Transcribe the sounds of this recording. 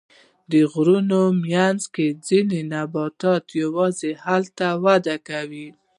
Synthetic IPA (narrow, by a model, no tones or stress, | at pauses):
d̪əɣɾunomjanzked͡zinenabɑt̪ɑt̪jawɑzehalt̪awad̪akawi